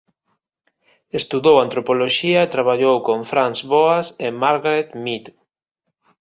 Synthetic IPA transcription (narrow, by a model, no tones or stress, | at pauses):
est̪uðowant̪ɾopoloʃiaet̪ɾaβ̞aʎowkoɱfɾansβoasemaɾɣaɾet̪mit̪